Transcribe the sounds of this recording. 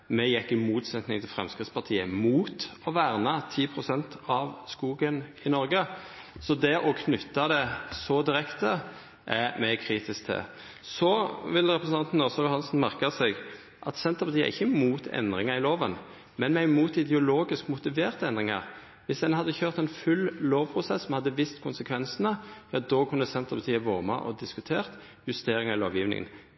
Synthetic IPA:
mɛjɛkːɪmuːt̪sɛt̪nɪŋt̪ʰɪlfɾɛ̰mskɾɪt̪spɑʁt̪ʰiːəmuːt̪ɔʋæːʁnɑt̪ʰiːpʰʁʊsɛnt̪ɑʋskuːɡənɪnɔɾɡə | sɔd̪ɛʔɔkʰnʉt̪ːɑd̪ɛsɔd̪ɪɾɛkt̪ə | ʔæmɛkʰɾiːt̪ɪsk̚t̪ʰɪ̰ | sɔʋɪlɾɛpɾəsn̩ʰɑnt̪n̩ɔsɔjʊhɑnsnmæʁkɑsɛɡ | ʔɑt̪sɛnt̪əʁpɑt̪ʰiːə̰ɛ̰ɪçːəmuːt̪ʰɛ̰nd̪ʁɪŋɑɾɪloːʋən | mɛnmɛæɪmuːt̪ɪd̪ɛʊloːɡɪskmʊt̪ɪʋeːʁt̪əɛnd̪ʁɪŋɑ̰ʁ | ʋɪsd̪ɛnhɑd̪ːəçøːʁt̪ɛnfʉlloːʋpʰʁʊsɛsːɔmhɑd̪ːəʋɪst̪kʰʊnsəkʰʋɛnsənəjɑd̪ɔːkʰʉnːəsɛnt̪əʁpʰɑt̪iːəʋoːʁmɑ̰ʔɔd̪ɪskʉt̪ʰeːʁt̪ | jʉst̪eːɾɪŋɑɾɪloːʋjiːʋnɪ̰ŋə̰n

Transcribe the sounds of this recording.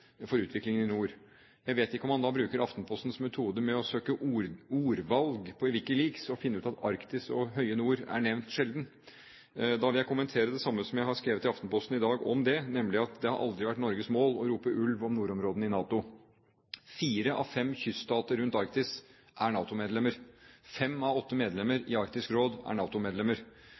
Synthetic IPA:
fɔɾʉːt̪ʋɪklɪŋənɪnuːɾ | jæɪʋeːt̪ɪkːəɔmɑnd̪ɑːbɾʉːkəɾɑft̪n̩pʰɔst̪n̩smɛt̪ʰuːd̪əmɛɔsøːkəʔɾuːɾʋɑlɡpʰɔɪʋɪlkːəliːɡsɔfɪnːəʉːt̪ɑt̪ɑɾkt̪ɪsɔɦœʏənuːɾæ̰ɳɛʋnt̪ʂɛld̪n | d̪ɑʋɪljæɪkʊmənt̪ʰeːɾəd̪ɛsɑmːəsɔmjæɪhɑɾskɾeːʋət̪ɪɑft̪n̩pʰɔst̪n̩ɪd̪ɑːɡɔ̰md̪ɛnɛmlɪɑt̪d̪ɛhɑɾʔɑ̰ld̪ɾɪʋæʈːnɔɾɡəsmoːlɔɾuːpəʔʉlʋɔmnuːɾɔmɾoːd̪n̩ɪnɑːt̪ʊ | fiːɾəʔɑ̰ʋfɛmːçʏst̪ɑːt̪əɾʉnt̪ɑɾkt̪ɪs | ʔæɳɑːt̪ʊmeːd̪lɛmːəɾfɛmːɑʋɔt̪ːəmeːd̪lɛmːəɾɪɑɾkt̪ɪskɾoːd̪æ̰ɳɑːt̪ʊmeːd̪lɛmːəɾ

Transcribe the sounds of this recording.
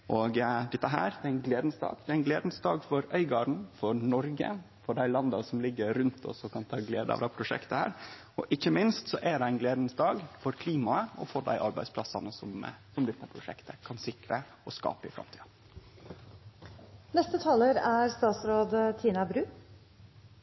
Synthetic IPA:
ʔɔɡd̪ɛt̪ːəɦæ̰ːɾd̪ɛæɪnɡleːd̪n̩sd̪ɑ̰ːɡd̪ɛæɪnɡleːd̪n̩sd̪ɑːɡfɔɾœʏɡɑːɾɳ̩fɔɾnɔɾɡə̰ | fɔɖæɪlɑnd̪ɑsɔmlɪɡːəɾʉnt̪ʰɔ̰sɔkʰɑnt̪ʰɑːɡleːd̪əɑ̰ʋd̪ɑpʰɾʊʂɛ̰kt̪əhæ̰ːɾ | ɔʔɪçːəmɪnst̪sɔʔæɖɛæɪnɡleːd̪n̩sd̪ɑːɡfɔɾkʰliːmɑəɔ̰foːɖ̪æ̰ɪʔɑɾbæɪspʰlɑsɑnəsɔm̰sɔmd̪ɛt̪ːəpʰɾʊʂɛ̰kt̪ʰəkʰɑnsɪkɾə | ɔskɑ̰ːpəɪfɾɑ̰mt̪ʰiː | nɛst̪ət̪ʰɑːləɾæɾst̪ɑːt̪sɾoːd̪t̪ʰiːnɑbɾʉː

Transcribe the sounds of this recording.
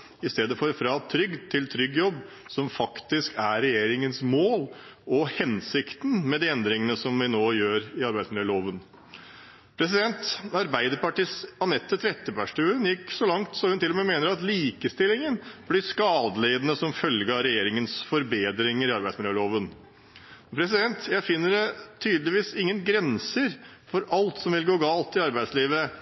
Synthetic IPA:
ɪst̪eːd̪əfɔɾfɾɑt̪ʰɾʏɡt̪ʰɪlt̪ʰɾʏɡːjɔbː | sɔmfɑkt̪ɪskæɾɛjeːɾɪŋənsmoːlɔhɛnsɪkt̪n̩mɛd̪iːɛnd̪ɾɪŋənəsɔmʋɪnoːjøːɾɪɑɾbæɪd̪smɪløːloːʋən | pʰɾɛs̬ɪd̪ɛnt̪ɑɾbæɪd̪əɾpɑʈiːsɑnɛt̪ːət̪ɾɛt̪ːəpʰæʂʈʉːənjɪkːsɔlɑŋt̪sɔmhʉnt̪ɪlːɔmeːmeːnəɾɑt̪liːkəst̪ɪlɪŋənblɪskɑːd̪əleːd̪ənəsɔmfœlɡəɑɾɛjeːɾɪŋənsfɔɾbeːd̪ɾɪŋəɾɪɑɾbæɪsmɪləøːloːʋən | pʰɾɛsɪd̪ɛnt̪jæɪfɪnːəɖɛt̪ʰyːd̪lɪʋiːsɪŋːənɡɾɛnsəɾ | fɔɾʔɑlt̪sɔmʋɪlɡoːɡɑːlt̪ɪɑɾbæɪsliːʋə

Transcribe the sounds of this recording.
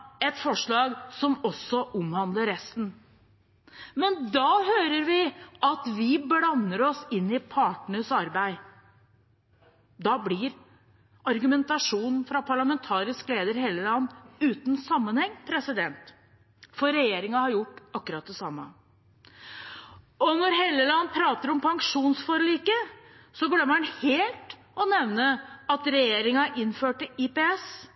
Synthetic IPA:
ɛt̪fɔʂɭɑːɡsɔmɔsːɔʔʊmhɑnd̪ləɾːɛst̪n̩ | mɛnd̪ɑːhøːɾəɾʋɪʔɑt̪ʋɪblɑnːəɾɔsɪnːɪpʰɑːʈɳəsɑɾbæɪ | d̪ɑːblɪɾ | ɑɾɡʉmɛnt̪ɑʂuːnn̩fɾɑpʰɑɭɑmɛnt̪ʰɑːɾɪskleːd̪əɾheːləlɑnːʉːt̪n̩sɑmːənhɛŋːpʰɾɛsɪd̪ɛnt̪ | fɔɾɛjeːɾɪŋɑhɑɾjʊʈːɑkːʉɾɑt̪̚d̪ɛsɑmːə | ɔnɔɾheːlːəlɑnːpʰɾɑːt̪əɾɔmpʰɑŋkʂuːnsfɔɾliːkəsɔɡlœmːənheːlt̪ | ɔnɛʋnəɑt̪ɾɛjeːɾɪŋɑʔɪnːføːʈəɪpɛɛs

